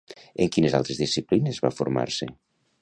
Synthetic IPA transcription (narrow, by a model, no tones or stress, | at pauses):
eŋkineza̰lˠt̪ɾezðisiplinezβa̰fuɾma̰ɾse